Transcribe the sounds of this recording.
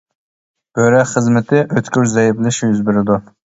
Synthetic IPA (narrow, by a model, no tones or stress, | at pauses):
b̥øɾɛχəzmɪt̪ʰɪʔøt̪kʲyɾzɛjiblɪʃjyzbɪɾɪd̪u